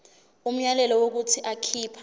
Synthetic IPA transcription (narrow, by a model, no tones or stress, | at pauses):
um̩ɲalɛlɔwok̬utʰiʔakʰiːpʰa